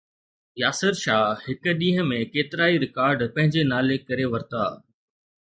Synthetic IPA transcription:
jaːsɪɾʃaːhɪk̆ɗĩːɦə̃mẽkeːt̪ɪɾaːiɾɪkaːɾɖpɐ̃ɦɪ̃ɲd͡ʑenaːlekɐɾeʋɐɾt̪a̰ː

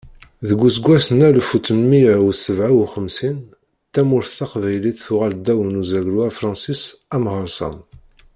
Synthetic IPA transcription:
ðəɡʷːusɡʷːæsənælfut̪ənmijæusəvʕawχəmsin | t̪ːæmʊɾθθɑqvæjliθθʊʁæld̪æwənuzæɡɾwæfɾˤɑ̃nsisæmʁəɾsə̰n

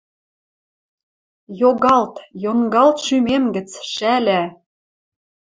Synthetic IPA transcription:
joɣɑlt̪joŋɡɑlt̪ʃymemɡə̆t͡sʃælæ

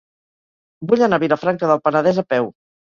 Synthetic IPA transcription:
buʎənaβiɾəfɾaŋkəðəlˠpənəðɛzəpɛw

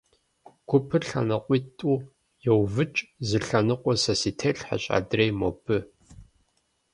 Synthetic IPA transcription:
ɡ̥ʷʊpʰɨrɬɐ̰nɐqʷʼitʼuː | jɛwvɨt͡ʃʼzɨɬɐnɨqʷʼɔsɐsiːtʰeɬħa̰ɕʼa̰drejmopʰɨ

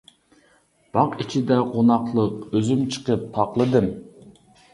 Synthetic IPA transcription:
b̥ɑqit͡ʃʰid̪ɛqonɑqlˠəqøzymt͡ʃʰə̥qəp̚t̪ʰɑqlˠɨd̪ɨm

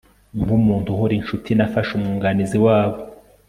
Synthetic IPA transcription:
ŋɡumuːntuhuɾinʃutʰinafaʃumŋuːŋɡaniziwaːβo

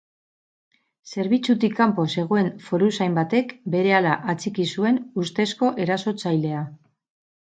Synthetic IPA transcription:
se̞ɾβit͡sut̪ikːampo̞se̞ɣ̞o̞eɱfo̞ɾusajmbat̪e̞kbe̞ɾe̞alaʔat͡sikisue̞nust̪e̞sko̞ʔe̞ɾaso̞t͡sajle̞a

